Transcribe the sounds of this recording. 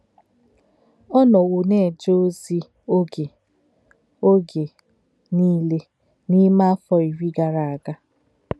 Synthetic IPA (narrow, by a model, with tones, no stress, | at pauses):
ɔ˦nɔ˨wo˨ne˦˨d͡ʒo˦zi˦ | o˦ɡe˨ | o˦ɡe˨ | niː˦le˦ | ni˦ma˦fɔ˦i˨ɾi˦ɡa˨ɾa˨a˨ɡa˦